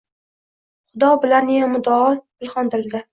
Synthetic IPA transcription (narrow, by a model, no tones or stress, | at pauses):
χʊd̪ɒbɪlanːɪjamʊd̪ɒɒbɪlˠχɒnd̪ɪld̪ɪ